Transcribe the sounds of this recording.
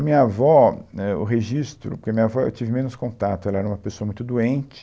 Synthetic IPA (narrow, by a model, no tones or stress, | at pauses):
ɐmĩɲɐavɔɛʊ̰ɦeʒist̪ɾʊ̰poɾkeɐmĩɲavɔḛwt͡ʃivɪmẽnʊskõnt̪at̪ʊɛlɐɛɾɐũmɐpesoɐmũj̃t̪ʊd̪uẽnt͡ʃɪ̥